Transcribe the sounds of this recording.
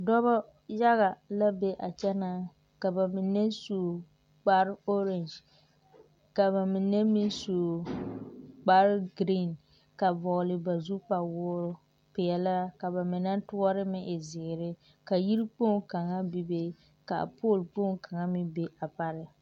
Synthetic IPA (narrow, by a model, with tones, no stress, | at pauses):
dɔ˦ba˦ | ja˦ɣa˨la˦be˦ʔa˨t͡ʃɛ˦na˦ | ka˨ba˨mɪ˨nːɛ˦soː˨ | k͡pa˦ɾo˦ɾɛ˨nd͡ʒ | ka˨ba˨mɪ˨nɛ˦mi˦soː˨ | k͡pa˦ɾɡɾi˦˨n | ka˨vɔ˨ɣlɪ˨ba˨zu˦pa˨wʊː˦ɾʊ˦ | pɪ˨ɛ˨la˦ka˨ba˨mɪ˨na˦ntʊ˦ɔ˦ɾɪ˦mɪ˦ʔɪ˨zɪ˨ɡɪ˨ɾɪ˦ | ka˨ji˦ɾi˦k͡po˦˨ŋka˨ŋa˦bi˦be˦ | ka̰˨poː˦˨lpo˦˨ŋka˨ŋa˦mɪ˦be˦ʔa˨pa˦ɾɪ˨